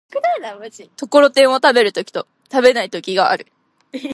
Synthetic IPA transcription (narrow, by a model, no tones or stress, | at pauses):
anait̪o̞koɾo̞t̪ẽ̞ɰ̃o̞t̪abe̞ɾɯ̟t̪o̞kʲi̥t̪o̞ | t̪abe̞nait̪o̞kʲiɡaa̰ɾɯ̟